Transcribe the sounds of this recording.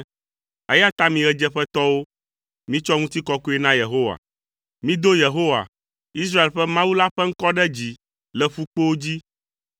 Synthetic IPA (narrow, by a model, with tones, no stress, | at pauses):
ɛ̰˦ja˦t̪a˦mĩ˨ɣɛ˦d͡ʒɛ˦ɸɛ˦t̪ɔ˦wo˦ | mĩ˦t͡ʃɔ˦ŋũ˦t̪i˦kɔ˦ko˦ɛ˦nã˦je˨ɦo˦wa̰˨ | mĩ˦d̪o˦je˨ɦo˦wa̰˨ | i˦s̬ɾa˦e˨lɸɛ˦mã˦wu˦la˦ɸɛ˦ŋ̩˦kɔ˦ɖɛ˦d͡ʑi˨ | lɛ˨ɸu˦k͡po˦wo˦d͡ʑi˦